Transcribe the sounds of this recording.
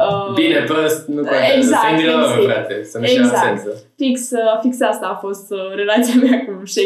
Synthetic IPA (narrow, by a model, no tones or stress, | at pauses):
əbinepəst̪̚nuoeɡzak̪inoɾat̪esənuezaseknt̪ə | fiksafiksast̪aːfo̞st̪ɾe̞lat̪sijameakuʃe